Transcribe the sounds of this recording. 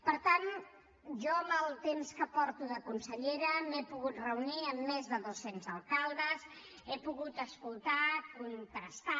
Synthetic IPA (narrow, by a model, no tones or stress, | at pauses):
pəɾt̪an | ʒɔəmbəlˠt̪emskəpɔɾt̪uðəkunsəʎeɾəmepuɣut̪rəuniəmːezðəðosenzəlˠkalˠd̪əz | epuɣut̪əskulˠt̪akunt̪əst̪a